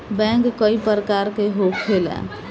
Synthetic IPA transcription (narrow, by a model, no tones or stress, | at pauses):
bɛ̃ŋkkːəipəɾkaɾkeɦokʰːelɛ̰